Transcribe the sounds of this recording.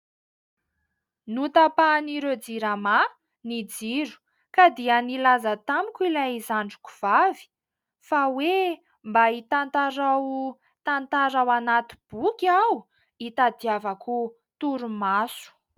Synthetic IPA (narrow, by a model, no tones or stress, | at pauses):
nut̪apaniɾed͡ziɾama | nid͡ziɾu̥ | kad̪ianilazat̪amikʲilajizaɳɖ͡ʐu̥ku̥v̥avi̥ | fawe | mbait̪ant̪aɾaw | t̪ant̪aɾawanat̪ib̥ukʲaw | it̪ad̪iavaku | t̪uɾumasu̥